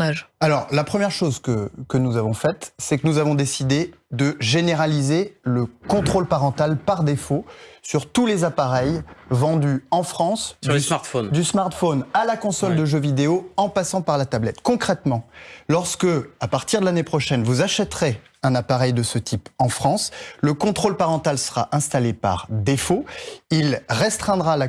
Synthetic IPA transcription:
ʒalɔʁlapχəmjɛʁʃozkəkənuzavɔ̃fɛt̪sɛkənuzavɔ̃d̪esid̪ed̪əʒeneʁalizeləkɔ̃t̪χolpaʁɑ̃t̪alpaʁd̪efosyʁt̪ulezapaʁɛjvɑ̃d̪yɑ̃fχɑ̃slsmaʁt̪fond̪ysmaʁt̪fonalakɔ̃sɔld̪əʒøvid̪eoɑ̃pasɑ̃paʁlat̪ablɛt̪kɔ̃kχɛt̪mɑ̃lɔʁskəapaʁt̪iʁd̪əlanepχɔʃɛnvuzaʃɛt̪χe | ɛ̃napaʁɛjd̪əsət̪ʰipɑ̃fχɑ̃sləkɔ̃t̪χolpaʁɑ̃t̪alsə̥ʁaʔɛ̃st̪alepa̰ʁd̪efoilʁɛst̪χɛ̃d̪ʁala

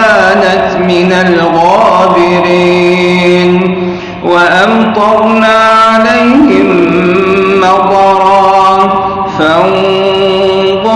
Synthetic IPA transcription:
aːnat̪mɪnalɣaːbɪɾiːn | waʔamt̪ˤɑɾˤnaːʕalajhɪmː | ɑqˤɑɾˤɑː | faʔ | d̪ˤɑ

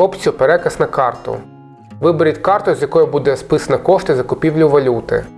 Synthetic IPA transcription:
ɔp̪t͡sʲiʊpeɾɛkɐsnɐkɑrt̪ʊ̰ | ʋɪbɪɾʲitʲkɑrt̪ʊzʲjɐkɔjʊbud̪ɛspɪsɐnɐkɔʃt̪ɪzɐkʊpʲiwlʲʊʋɐlʲut̪ɪ̰

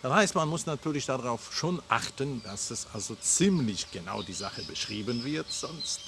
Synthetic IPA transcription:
d̥ashaɪstmanmʊsnatʰyːɐlɪçd̥aʁaʊfʃoːnʔa̰χtənd̥asɛsʔalzot͡siːmlɪçɡ̥əna̰ʊdiːzaχəbəʃʁ̥iːbənvɪɐtz̥ɔnst

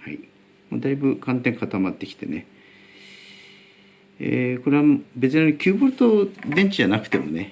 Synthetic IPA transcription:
ha̰i | mo̰d̪aibɯ̟kãnt̪ẽ̞ŋkat̪amat̪ːe̞kʲi̥t̪e̞̰ne̞ | ḛko̞ɾe̞βambe̞t͡sɨnankʲɨːbɯɾɯ̟t̪od̪ẽ̞ɲ̟t͡ɕid͡ʑanakɯ̟̥t̪e̞mo̞̰ne̞

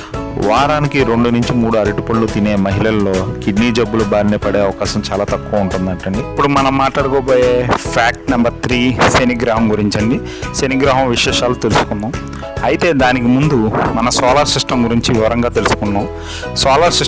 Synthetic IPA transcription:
ʋaːɾaːnikiɾeɳɖunuɲt͡ʃimuːɽuɐɾiʈipɐɭlut̪ine̞ːmɐɦilɐlːo̞ːkiɖniːd͡ʒɐbːulubaːɾiniːpɐɽeːɐʋɐkaːʃɐmt͡ʃaːlaːt̪ɐkːuʋɐuɳʈund̪ɐɳʈɐɳɖiipːuɽumɐnɐmːaːʈlaːɽukoːpoːjeːpʰaːk̚ʈnɐmbɐɾt̪ʰɾiːseniɡɾaːɦɐmɡuɾiɲt͡ʃɐɳɖi | seniːɡɾaːɦɐ̃mʋiʂɛːʂaːlut̪elusu̥kund̪aːm | ɐjit̪e̞ːd̪aːnikimund̪umɐnɐsɔːlaːɾsɾiʂʈɐmɡuɾiɲt͡ʃiʋiʋɐɾɐŋɡaːt̪e̞lusu̥kuɳːaːm | sɔːlaːɾsi

